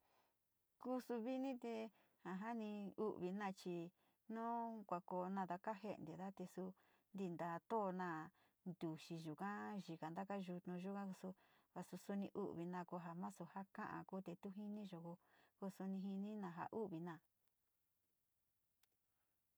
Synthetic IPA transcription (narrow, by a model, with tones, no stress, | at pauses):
ku˦su˧βi˦nĩ˦t̪e˧ | ha˨ɦa˦nĩ˧ṵ˦ʔβi˧nã˦˧˨t͡ʃi˧ | nõ˦kʷa˧koː˧nã˧˨d̪a˧ka˦ɦe˧˨nd̪e˨ða˦t̪e˧su˧ | nd̪i˧nd̪a˧t̪o˦˧nãː˧˨ | nd̪u˨ʃi˧ʒu˨kã˦ʒi˨ka˨nd̪a˦ka˦ʒu˧t̪nũ˧ʒu˦kã˦ku˧su˧ | βa˧su˧su˧nĩ˧ʔṵ˦ʔβi˧nã˧ko˧ɦa˧˨mã˦so˧ha˦kã̰˦ʔã̰˧kuː˦t̪e˧t̪u˦ɦi˦nĩ˦ʒo˨ku˧ku˧su˧nĩ˧ɦi˧nĩ˦nã˧˨ɦa̰˧ʔu˦ʔβi˨nãː˦˨